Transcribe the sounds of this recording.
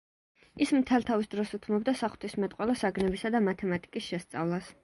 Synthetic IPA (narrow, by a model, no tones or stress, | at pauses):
ismt̪ʰɛlˠt̪ʰavisd̪ɾɔsut̪ʰmɔb̚d̪asaχwt̪ʰismɛt̪ʼqʼwɛlˠasaɡnɛbisad̪amat̪ʰɛmat̪ʼikʼisʃɛst̪sʼa̰vlˠas